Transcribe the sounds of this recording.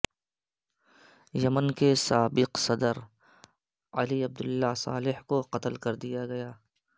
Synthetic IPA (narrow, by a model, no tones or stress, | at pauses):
jɐmənkesaːbɪqsɐd̪əɾ | ɐliɐb̚d̪ʊlːasa̰ːlɪhkoqɐt̪əlkɐɾd̪ijaɡɐjaː